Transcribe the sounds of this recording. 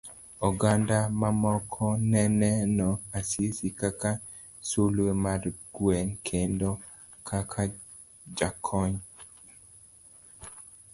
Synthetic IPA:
ɔɡandamamɔkʰɔnɛnɛnɔasisikaka | sulwemarɡ̥wɛnkʰendo | kʰakʰa | d͡ʒakʰɔɲ

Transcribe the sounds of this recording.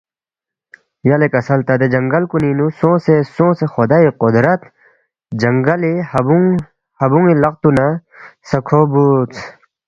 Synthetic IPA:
jɐlekɐsɐlt̪ɐd̪ed͡ʑɐŋɡɐlkuninusõːsesõːsexod̪aiqod̪ɾɐt̪ | d͡ʑɐŋɡɐlihɐbuŋ | hɐbuŋilɐq̚t̪unasɐkʰobut͡sʰ

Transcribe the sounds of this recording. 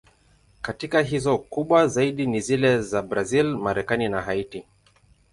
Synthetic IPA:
katikaɦizɔkuɓwazaiɗinizilɛzabɾazilmaɾɛkaninaɦaiti

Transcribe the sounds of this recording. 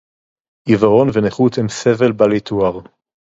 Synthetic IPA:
ʔivaʁo̞nveneχut̪hemsevelbalit̪ʰuaʁ

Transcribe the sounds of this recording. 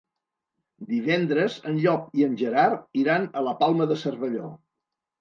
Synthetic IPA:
d̪iβ̞ɛnd̪ɾəzənʎɔp̚iənʲʒəɾaɾiɾanələpalˠməðəsərβəʎo

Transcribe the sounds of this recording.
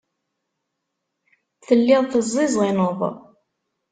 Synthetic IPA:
θəlːɪðˤθəzˤːɪzˤʁinoðˤ

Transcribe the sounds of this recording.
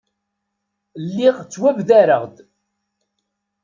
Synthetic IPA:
lːiʁt͡sːwævðæɾəʁd̪

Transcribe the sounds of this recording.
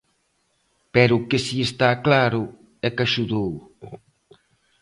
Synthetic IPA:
pɛɾukesiest̪aklaɾʊ | ɛkaʃuðow

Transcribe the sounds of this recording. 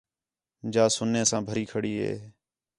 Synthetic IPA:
d͡ʒaːsʊneːsãːbʱəɾiːkʰəɽiːɦḛː

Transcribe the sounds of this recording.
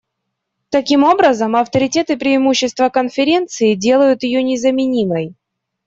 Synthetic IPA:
t̪ɐkʲimo̞bɾəzəmɐft̪əɾʲɪtʲe̞t̪ɨpɾʲɪɪmuɕːɪst̪vəkənfʲɪɾʲe̞nt̪sɨɪdʲe̞lˠəjʊt̪jɪjonʲɪzəmʲɪnʲiməj

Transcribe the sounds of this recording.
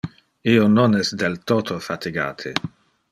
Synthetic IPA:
iononɛsd̪elt̪ot̪ʰofat̪iɡa̰ːt̪ʰe

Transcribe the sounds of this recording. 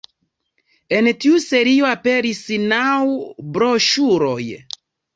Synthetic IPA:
entiuseɾioape̞ɾisnawbɾoʃuɾoj

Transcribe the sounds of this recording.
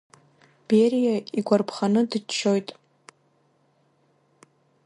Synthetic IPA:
b̥eɾijaiɡʷarpʰχanɨdɨt͡ʃʰːo̞jtʼ

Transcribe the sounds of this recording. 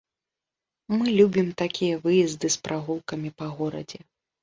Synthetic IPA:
mɨlʲubʲimt̪akʲʰijɐvɨjɛzd̪ɨspɾʔaɣulˠkɐmʲipɐɣɔɾɐ̰d͡zʲɛ

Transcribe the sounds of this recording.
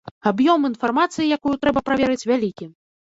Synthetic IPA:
abjɔminfarmat̪sɨjijakujut̪ɾɛbɐpɾavʲɛɾɨt͡sʲvʲalʲikʲi

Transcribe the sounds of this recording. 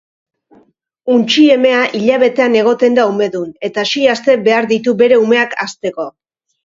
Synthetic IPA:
unt͡ʃie̞me̞aʔiʎaβ̞e̞t̪e̞ane̞ɣ̞o̞t̪e̞nd̪aume̞ðune̞t̪aʃiast̪e̞be̞aɾðit̪ube̞ɾe̞ume̞aka̰st̪e̞ko̞

